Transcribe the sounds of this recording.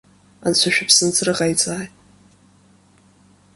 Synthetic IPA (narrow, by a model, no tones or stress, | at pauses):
a̰nt͡ɕʷʰaʃᶣapʰsɨnt͡sʰʼɨrɨʁajt͡sʼaːjtʼ